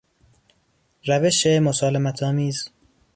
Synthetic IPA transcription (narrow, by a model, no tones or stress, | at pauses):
ɾæveʃemosɒːlemæt̪ʰɒːmiːz